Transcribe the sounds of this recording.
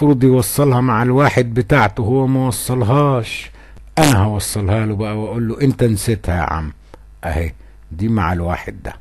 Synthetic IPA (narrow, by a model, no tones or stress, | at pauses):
fʊɾd̪ˤijwɑsˤːɑlhɑmaʕalwaːħɪd̪̚bɪt̪aːʕt̪uhʊwːæmæwɑsˤːɑlɦɑːʃ | ʔanaɦawɑsˤːɑlhaːlwbaʔawaʔuːlːuʔɪnt̪ansɪt̪haja̰ʕa̰mː | ʔaheː | d̪iːmaʕalwa̰ːħɪ̰d̪̚ːæ̰